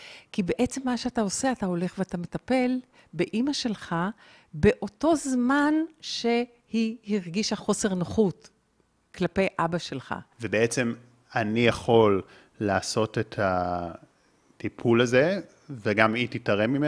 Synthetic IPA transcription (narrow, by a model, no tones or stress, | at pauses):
kibe̞ʔet͡se̞mːaʃeatao̞se̞atao̞le̞χveatame̞tape̞l | be̞ʔimaʃe̞lχa | be̞ʔo̞to̞zmanʃe̞ | hihiʁɡiʃaχo̞se̞ʁnoχut | klape̞jʔabaʃe̞lχa̰vebeet͡sem | anijaχo̞lː | aːso̞tetʰa | tipʰulaze | veɡamititaʁemime